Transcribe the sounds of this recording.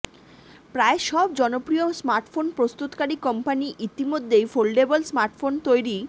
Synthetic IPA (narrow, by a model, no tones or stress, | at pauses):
pɾaeʃɔbd͡ʑɔnopɾiosmaɾʈfonpɾost̪ut̪kaɾikɔmpaniʔit̪imod̪ʱːejfolɖebolsmaɾʈfont̪ojɾi